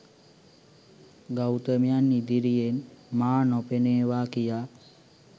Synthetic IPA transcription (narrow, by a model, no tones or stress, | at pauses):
ɡawt̪əmijanːid̪iɾijenmaːnopeneːʋaːkijaː